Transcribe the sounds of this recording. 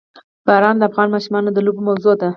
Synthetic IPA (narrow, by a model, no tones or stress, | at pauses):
b̥ɑɾɑnd̪əafɣɑnmɑʃumɑnod̪əlobmawzod̪a